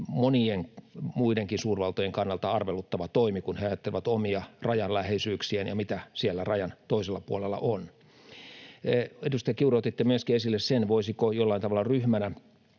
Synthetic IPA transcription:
monieŋmuideŋkinsuːrʋɑlt̪ojeŋkɑnːɑlt̪ɑɑrʋelut̪ːɑʋɑt̪oimikunheɑjɑt̪ːelĕʋæt̪omiɑrɑjɑllæhesyːksiænjɑ̰mit̪æsielːærɑjɑnt̪oiselːɑpuolelːɑ̰ʔon | edust̪ɑjɑkiuroot̪it̪ːemyøskiesilːessenʋoisikojolːɑint̪ɑʋɑlːɑryhmænæ

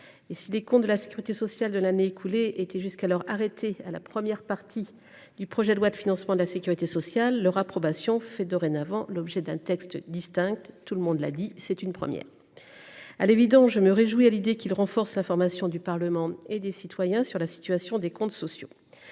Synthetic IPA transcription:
esilekɔ̃t̪̚d̪əlase̥kʲyʁit̪esɔsjald̪əlaneːkʰuleet̪ɛʒyskalɔʁaʁet̪ʰea̰la̰pχəmjɛʁpaʁt̪ʰi | d̪ypχɔʒɛd̪lwad̪əfinɑ̃smɑ̃d̪əlasekʲyʁit̪esɔsjalːœʁapχɔbasjɔ̃fɛd̪ɔʁenavɑ̃lɔbʒɛd̪ɛ̃t̪ɛkst̪d̪ist̪ɛ̃k̚t̪ːuləmɔ̃d̪la̰d̪isɛt̪ynpχə̰mjɛ̰ːʁ | a̰levid̪ɑ̃sʒəməʁeʒwialid̪ekilʁɑ̃fɔʁslɛ̃fɔʁmasjɔ̃d̪ypaʁləmɑ̃ed̪esit̪wajɛ̃syʁlasi̥t̪ɥasjɔ̃d̪ekɔ̃t̪sɔsjo̰

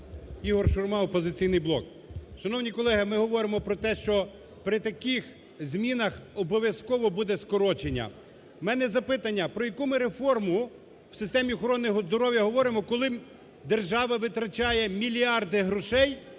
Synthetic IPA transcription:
iɦɔrʃʊrmɑɔpɔzɪt͡sʲijnɪjblˠɔ̰k | ʃɐnɔwnʲikɔlˠɛɦɪmɪɦɔʋɔɾɪmɔpɾɔt̪ɛʃt͡ʃɔ | pɾɪt̪ɐkix | zʲmʲinɐxɔbɔʋʲjɐskɔʋɔbud̪ɛskɔɾɔt͡ʃenʲːɐ̰ | mɛnɛzɐpɪt̪ɐnʲːɐpɾɔjɐkumɪɾefɔrmʊ | w̥sɪst̪ɛmʲiɔxɔɾɔnːɔɦɔzd̪ɔɾɔʋʲjɐɦɔʋɔɾɪmɔkɔlˠɪ | d̪erʒɑʋɐʋɪt̪ɾɐt͡ʃɑjɛmʲilʲiɑrd̪ɪɦɾɔʃɛj

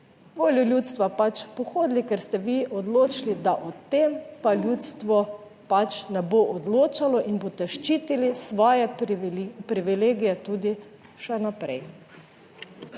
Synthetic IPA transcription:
ʋoːlʲjulʲjut̪st̪ʋapat͡ʃpɔxoːd̪likɛɾst̪ɛʋiʔɔd̪loːt͡ʃlid̪aʔɔt̪empalʲjuːt̪st̪ʋɔ | pat͡ʃnɛboʔɔd̪loːt͡ʃalɔʔinboːt̪ɛʃt͡ʃiːt̪ilisʋɔːjɛ | pɾiʋileːɡijɛt̪uːd̪i | ʃɛnapɾɛj

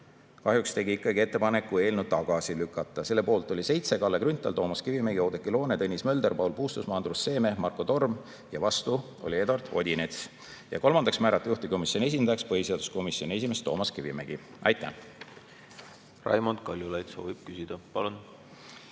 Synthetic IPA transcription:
kɑɦjukst̪e̞ɡiikːˑɑɡie̞t̪ˑːe̞pɑne̞kːue̞ːlnud̪̚t̪ːɑɡ̥ɑsilykːˑɑt̪ːˑɑse̞lːe̞po̞ːlt̪ːˑo̞lʲise̞jt̪se̞kɑlːekrynt̪ːˑɑ̰lt̪o̞ːmɑskivimeɡio̞d̪ekːˑilo̞ːnet̪ɤnʲismø̞ld̪e̞rpɑwlpuːst̪usmɑːnd̪rusːe̞ːme̞mɑrko̞t̪o̞rm | jɑvɑst̪u | o̞̰lʲie̞d̪wɑrt̪o̞̰d̪ʲinet̪s | jɑ̰ko̞lmɑnd̪ɑksmæːɾɑt̪ːˑejuht̪iko̞misʲjo̞nʲie̞s̬ʲind̪̥ɑjɑkspɤhise̞ɑd̪u̥sko̞misjo̞nʲie̞sime̞st̪oːmɑskivimḛɡ̥i | ʔɑ̰jt̪ːˑæ̰ | rɑ̰jmond̪kɑlʲjulɑjt̪so̞̰ːvib̥̚kysid̪̥ɑpɑlun

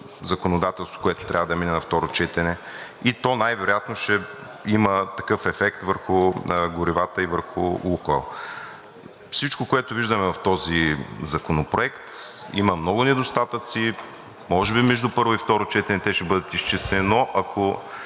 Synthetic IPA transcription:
zɐkonod̪at̪ɛlˠst̪vo̥koɛt̪o̥t̪ɾʲavəd̪ɐminɛnɐft̪ɔɾot͡ʃɛt̪ɛnɛ | it̪ɔnajvɛɾojat̪noʃɛ | imət̪ɐkɤfɛfɛkt̪vəɾxʊɡʊɾivat̪əivəɾxʊlukə̰lˠ | fsit͡ʃkokoɛt̪ʊviʒd̪ɐmɛvɐft̪ɔzizɐkonopɾoɛkt̪ | ḭmɐmnɔɡʊnɛd̪ost̪at̪ət̪si | mɔʒɛbimɛʒd̪upɤɾvoift̪ɔɾot͡ʃɛt̪ɛnɛt̪ɛʃɛbɤd̪ət̪ist͡ʃɛsɛnoʔɐkʰo

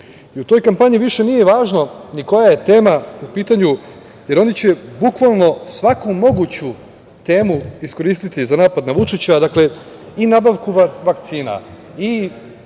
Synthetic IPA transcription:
iut̪o̞jkampaɲiʋiʃe̞nijeʋaːʒno̞niko̞jaje̞t̪e̞ːmaupiːt̪aɲu | je̞ɾo̞nit͡ɕe̞bukʋalˠno̞sʋakumo̞ɡut͡ɕu | t̪e̞ːmuisko̞ɾiːst̪it̪izanaːpad̪naʋut͡ʂit͡ɕad̪akle̞ | inabaʋkuʋakt̪siːna̰ | i

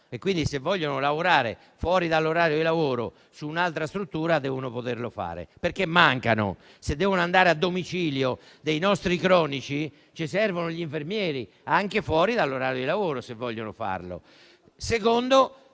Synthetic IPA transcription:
ɛkːwind̪isevːɔʎːonolavoɾaːɾḛ | fwɔːɾiðalːoɾaːɾjod̪ilavoːɾo̰ | suːnalt̪ɾast̪ɾut̪ːuːɾad̪ɛːvonopot̪eɾlofa̰ːɾḛpeɾkemːaŋkano̰ | sed̪ːɛːvonoand̪aːɾead̪ːomit͡ʃiːljo | d̪ejnɔst̪ɾikɾɔːnit͡ʃi | t͡ʃisɛrvonoʎiɱfeɾmjɛːɾi | aŋkefwɔːɾiðalːoɾaːɾjod̪ilavoːɾosevːɔʎːonofa̰ɾlo̰ | sekond̪o

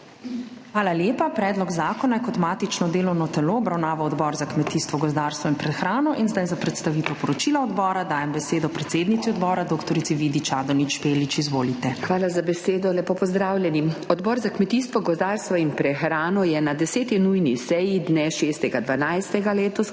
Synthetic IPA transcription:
xʋaːlaljeːpapɾɛːd̪lɔɡzaːkɔnajɛkɔt̪maːt̪it͡ʃnɔd̪eːlɔwnɔt̪ɛloːbɾawnaːʋawɔd̪bɔɾzakmɛt̪iːst̪ʋɔɡɔzd̪aːɾst̪ʋɔinpɾɛxɾaːnɔʔinzd̪ajzapɾɛt̪st̪aʋiːt̪ɛwpɔɾɔt͡ʃiːlaɔd̪bɔːɾad̪aːjɛmbɛseːd̪ɔpɾɛt̪seːd̪nit̪siɔd̪bɔːɾad̪oːkt̪ɔɾit̪iʋid̪it͡ʃaːd̪ɔnit͡ʃpeːlit͡ʃizʋoːlit̪ɛxʋaːlazabɛseːd̪ɔlɛpɔpɔzd̪ɾaːwlʲjɛnimɔd̪bɔːɾzakmɛt̪iːst̪ʋɔɡɔzd̪aːɾst̪ʋɔinpɾɛxɾaːnɔjɛnad̪ɛseːt̪inujnisɛjid̪nɛʃeːst̪ɛɡad̪ʋanajst̪ɛɡaleːt̪ɔs

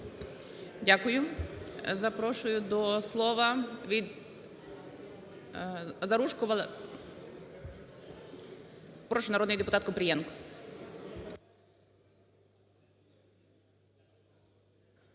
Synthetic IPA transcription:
dʲakʊjʊ | zɐpɾɔʃʊjʊd̪ɔslˠɔʋɐʋʲid̪ | zɐɾuʃkʊʋɐlˠ | pɾɔʃɪnɐɾɔd̪nɪjd̪epʊt̪ɑt̪kʊpɾʲɪjɛnkʊ̥

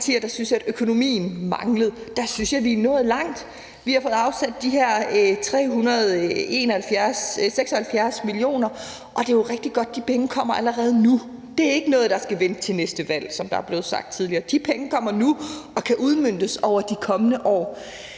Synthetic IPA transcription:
t͡sʰiɐd̥ɑ̈synsjæɾ̥økʰo̝no̝mḭːn̩mɑ̈ŋləð̞̩ˠd̥ɑ̈synsjɑ̈ɪliːnɔ̽ːð̞̩ˠlɑ̈ŋ̰d̥ | ʋihɑ̈fɔ̽ð̩ˠɑ̈ʊsæd̥̚ːiɦæɐ̰t͡sʰʁɛ̰ːɦunɐð̞̩ˠe̝̰ːnɒhælfjæɐsseɡ̥sɒ̽hælfjæɐsmilio̝̰ːnɐ | ʔɒ̽d̥e̝joʁɛɡ̥̚d̥iɡ̥ɒ̽d̥̚ːipʰeŋəkʰɒ̽m̰ɐʔæləʁɛːð̞̩ˠnud̥e̝æɐe̝ɡ̥ənɔ̽ːð̞̩ˠd̥ɑ̈sɡ̥æʋenət͡sʰe̝lnesd̥əʋæl̰sɒ̽md̥ɑ̈æɐble̝ːð̞̩ˠsɑ̈ɡ̥̚d̥̚t͡sʰiðˠliɐːd̥ipʰeŋəkʰɒ̽m̰ɐnuɒ̽kʰæʔuð̞ˠmøn̰d̥əsɒʊ̰ɐd̥ikʰɒ̽mənəʔɒ̰ː

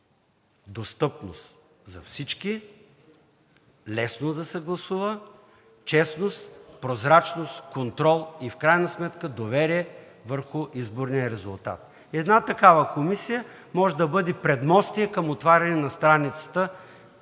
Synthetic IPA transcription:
d̪ost̪ɤpno̰st̪ | zɐ̰fsit͡ʃki | lɛsnod̪ɐsɛɡlˠɐsuvə | t͡ʃɛsnost̪pɾozɾat͡ʃnost̪kont̪ɾɔlˠifkɾajnəsmɛt̪kəd̪ovɛɾiɛ | vəɾxʊʔizboɾnijəɾɛzʊlˠt̪a̰t̪ | iɛd̪nat̪ɐkavəkomisijə | mɔʒɛd̪ɐbɤd̪ɛpɾɛd̪mɔst̪iɛkəmot̪vaɾʲɐnɛnɐst̪ɾanit̪sə̥t̪ə

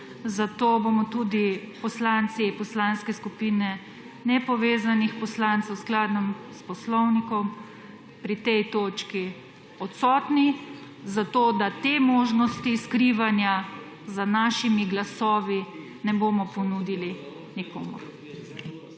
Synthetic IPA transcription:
zat̪oːbomɔt̪ud̪ipɔslant̪sipɔslanskɛskupinɛ | nɛpɔʋeːzanixpɔslant̪sɛwsklaːd̪nɔmspɔslɔwnikɔm | pɾit̪ɛjt̪oːt͡ʃki | ɔt̪sɔːt̪ni | zat̪oːd̪at̪emoʒnɔst̪iskɾiʋanja | zanaːʃimiɡlasɔːʋi | nɛbomɔpɔnud̪ili | niko̰ːmṵɾ

